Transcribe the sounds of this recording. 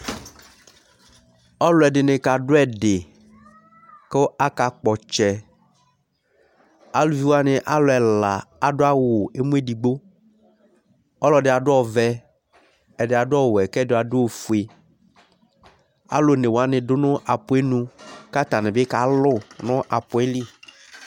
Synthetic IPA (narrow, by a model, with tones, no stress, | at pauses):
ɔ˦lʊ˦ɛ˨dɪ˨nɪ̃˨ka˨ɖʊ˦ɛ˨ɖe˨ | ke˦o˦ʔa˦ka˨k͡pɔ˨t͡ʃɛ˨ | a˦lu˨vi˦wo˦a˦nɪ̃˨ʔa˦lʊ˨ɛ˨la˨a˨do˦a˦wo˨e˦mũ˦e˦di˨ɡ͡bo˦ | ɔ˦lɔ˨dɪ˨a˨dʊ˦ɔ˨vɛ˦ | ɛ˨dɪ˨a˨dʊ˦ɔ˦wɛ˨kɛ˦do˨˦˨a˨do˦wo˨fu˨e˨ | a̰˦lo˨˦nẽ˨wo˨a˦nɪ̃˨dʊ˦nʊ̃˦ʔa˨pʊ˨˦e˦nũ˦ka˦t̪a˨nɪ̃˨be˦ka˨lʊ˦˨nʊ̃˦ʔa˨pʊ˨˦ɛ˦li˦